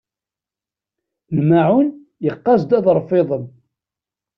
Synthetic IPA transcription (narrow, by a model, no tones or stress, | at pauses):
nmaʕʊn | jəqːɑzd̪æðˤɾˤfɪðˤən